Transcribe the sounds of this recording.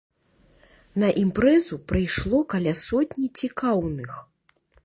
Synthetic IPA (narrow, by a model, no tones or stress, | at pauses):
nɐʔimpɾɛzupɾɨjʂlˠɔkɐlʲasɔt̪ʲnʲit͡sʲikawnɨx